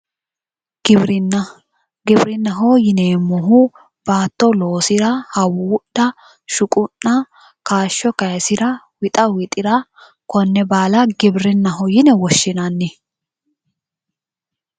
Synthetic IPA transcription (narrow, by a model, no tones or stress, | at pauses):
ɡ̥ɪbɾɪn | ɡɪbɾɪnːɐɦojɪneːmːɔɦu | b̥aːt̪ːɔlo̞ːsɪɾɐhɐwʊːʊɗːɐ | ʃʊkʼʊnːɐ | kaːʃːɔkɐjsɪɾɐ | wɪt̪ʼɐwɪt̪ʼɪɾɐ | kɔnːɛbaːlɐɡɪbɾɪnːɐɦɔjɪnɛwɔʃːɪnɐnːɪ